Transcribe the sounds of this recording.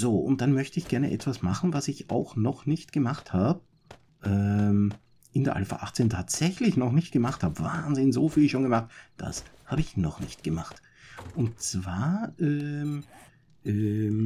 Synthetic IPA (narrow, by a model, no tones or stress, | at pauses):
z̥oːʔʊ̰nt̚d̥anmœçtəɪçɡ̥ɛɐnə̰ʔɛ̰tv̥asmaχn̩vasɪça̰ʊxnɔχnɪçtɡ̥əmaχthaːbə | ʔɛːm | ʔɪndeːɐʔa̰lfa̰ʔaχt͡seːntʰaːtz̥ɛçlɪçnɔχnɪçt̚ɡ̥əmaχthaːbəvaːnzɪnzoːfiːlʃoːnɡəmaχt̚d̥a̰shaːbəɪçnɔχnɪçtɡ̥əmaχt | ʔʊnt̚t͡sv̥aːɐʔɛːm | ʔɛm